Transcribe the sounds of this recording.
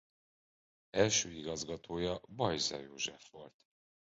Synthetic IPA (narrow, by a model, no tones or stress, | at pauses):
ɛlʃøːiɡɒzɡɒt̪ʰoːjɒbɒjzɒ̰jo̰ːʒɛfʋo̞lt̪